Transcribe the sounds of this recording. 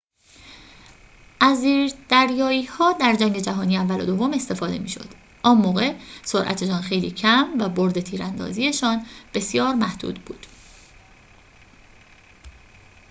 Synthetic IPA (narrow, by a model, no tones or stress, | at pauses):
ʔæziːɾd̪̥æɾjɒːiːhɒːd̪æɾd͡ʒæŋɟe̞d͡ʒæɦɒːniːævːælod̪ovːo̞me̞st̪e̞fɒːd̪e̞̰mḭːʃo̞̰d̪̥ | ʔɒːnmoːɣe̞soɾʔæ̰t̪ʰe̞ʃɒːnxe̞jlḭːcʰæmvæboɾd̪e̞t̪ʰiːɾænd̪ɒ̰ːziːe̞ʃɒːnb̥e̞sijɒːɾmæhd̪̥ṵːd̪bṵːd̪̥